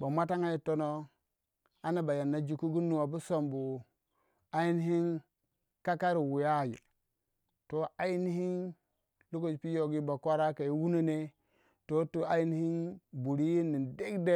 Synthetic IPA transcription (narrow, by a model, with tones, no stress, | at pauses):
ba˨ma˦ta˦ŋa˦ji˦to˦no˦ | a˦na˨ba˨ja˨nːa˨d͡ʒi˨ku˦ɡu˦nːu˨wa˨bu˦so˨mbu˨ | a˦ji˦n˦ɦi˦n | ka˦ka˦ɾi˨wu˨ja˦˨jḛ˨ | to˦a˦ji˦ni˦hi˦n | lu˦ko˦˨d͡ʒpi˦jo˨ɡi˦ba˨kʷa˦ɾa˦ka˨i˦wu˦no˦ne˦ | to˦tu˨˦a˨ji˦n˦hi˦nbu˨ɾi˦ji˦nːi˨nde˦ɡde˦